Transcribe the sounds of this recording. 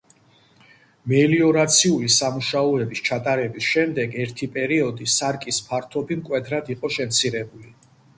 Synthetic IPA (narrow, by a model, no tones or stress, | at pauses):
mɛliɔɾat̪sʰiulisamuʃaɔɛbist͡ʃʰat̪ʼaɾɛbisʃɛmd̪ɛɡɛɾt̪ʰipʼɛɾiɔd̪isaɾkʼispʰaɾt̪ʰɔbimkʼwɛd̪ʰɾad̪iqʼɔʃɛmt̪sʰiɾɛbuli